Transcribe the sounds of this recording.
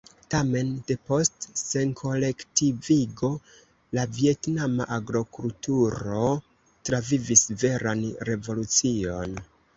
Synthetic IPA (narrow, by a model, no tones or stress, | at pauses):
tame̞nde̞po̞stse̞nkʰo̞le̞ktiviɡo̞ | lavie̞tnamaʔaɡɾo̞kultuɾo̞ | tɾavivisve̞ɾanɾe̞vo̞lut͡sio̞n